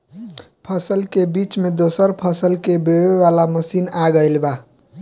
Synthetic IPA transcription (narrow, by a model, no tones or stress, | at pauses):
pʰəsəlkebit͡ʃmed̪osəɾpʰəsəlkebeweʋalaməsinaɡəɪlba